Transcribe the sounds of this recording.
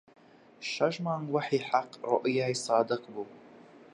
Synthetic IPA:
ʃaʒmaŋwaħiħaqʼʕo̰ʔjajsɑːdɨqʼbu

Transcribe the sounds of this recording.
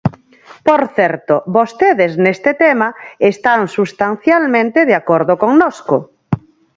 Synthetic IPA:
poɾθɛɾt̪oβost̪eðeznest̪et̪emaest̪aŋsust̪an̟θjalmẽnt̪eðeakoɾðokoŋnoskʊ

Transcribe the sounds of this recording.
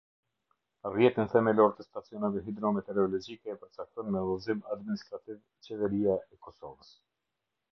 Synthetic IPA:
rjɛt̪inθɛmɛlɔɾt̪əst̪at͡siɔnavɛɦid̪ɾɔmɛt̪ɛɾɔlɔd͡ʒikɛpəɾt͡sak̚t̪ɔnmɛlɔzimad̪minist̪ɾat̪iv | t͡ʃɛvɛɾijaɛkɔsɔ̰vəs

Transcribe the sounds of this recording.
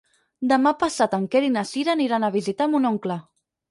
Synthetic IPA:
d̪əmapasat̪əŋkeɾinasiɾaːniɾanəβizit̪amunoŋklə

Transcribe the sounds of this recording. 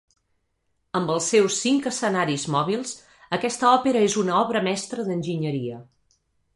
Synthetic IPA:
əmbəlˠsːewsːiŋkəsənaɾizmɔβ̞ilˠz̥ | əkɛst̪əɔpeɾəezunəɔβɾəmɛst̪ɾəðənʲʒiɲəɾiə

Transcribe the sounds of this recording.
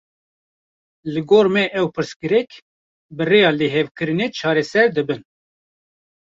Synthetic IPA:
lɨɡoːɾmɛʔɛwpɨɾskɨɾɛk | bɨreːjɑːleɦɛvkɨɾɨnet͡ʃʰɑːɾɛsɛɾd̪ɨbɨn

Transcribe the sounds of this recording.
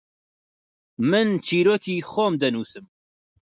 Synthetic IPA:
mɨnt͡ʃʰiːɾoːkʰiːxɔmd̪ɛnuːsɨm

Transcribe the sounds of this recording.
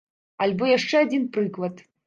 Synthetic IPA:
alʲbɔjaʂt͡ʂɛad͡zʲinpɾɨklˠɐt̪

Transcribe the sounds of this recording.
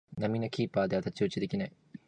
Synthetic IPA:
nɐminɐkʰiːpːaːd̪aːt̪ɐt͡ɕːuːt͡ʃːid̪ikʲinɐ

